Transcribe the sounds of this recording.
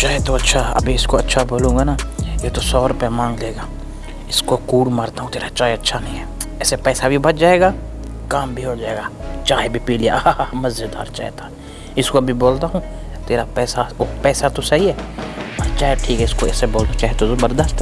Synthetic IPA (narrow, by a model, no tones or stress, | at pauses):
t͡ʃaːɦet̪oɐtːʃʰaɐ̰bʱiɪskoɐtːʃʰaboːlũːɡanajet̪osɔːɾʊpamãːŋɡleːɡaː | ɪskokuːɽmaːɾt̪aɦũt̪eːɾat͡ʃaːeɐtːʃʰanɐɦĩɦɛː | ɛːsepɛːsabʱibɐt̚d͡ʒaːeːɡaː | kaːmbʱiɦod͡ʒaːeːɡaːt͡ʃaːebʱipiːlija̰mɐzd͡ʒɪd̪a̰ːɾt͡ʃa̰ːet̪a | ɪskoɐbʱiboːlt̪aɦũ | t̪eːɾapɛːsaopɛːsat̪osɐɦiɦɛːɔɾt͡ʃaːeʈʰiːkɦɛɪskoɛːseboːld̪ot͡ʃaːɦet̪ozɐbəɾd̪əst̪ɛ